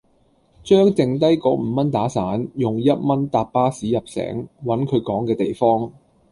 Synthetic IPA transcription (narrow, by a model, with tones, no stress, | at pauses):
t͡ʃœː˥ŋt͡sɪ˧ŋt̪ɐ˥jkɔː˨˥km̩ː˨˧mɐ˥nt̪aː˨˥saː˨˥njʊ˨ŋjɐ˥t̚mɐ˥nt̪aː˧p̚paː˥siː˨˥jɐ˨p̚sɛ̰ː˨˥ŋwɐ˨˥nkʰɵ˨˧ɥkɔː˨˥ŋkɛː˧t̪e˨jfɔː˥ŋ